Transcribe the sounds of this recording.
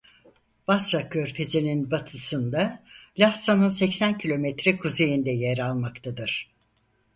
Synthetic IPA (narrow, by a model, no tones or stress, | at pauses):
b̥asɾakʰøɾfe̞zininbat̪ʰɯsɯnd̪alʲahsanɯnsɛcsæncʰilʲo̞mɛt̪ɾɛkʰuze̞jind̪ɛjeɾalˠmakt̪ʰad̪ɯɾ̥